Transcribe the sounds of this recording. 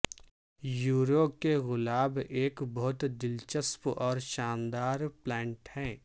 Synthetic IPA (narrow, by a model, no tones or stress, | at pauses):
juːɾokeɣʊlaːbeːkbɔɦʊt̪d̪ɪlt͡ʃəspɔːɾʃaːnd̪aːɾplɛ̃ːɳʈhɛ̃ː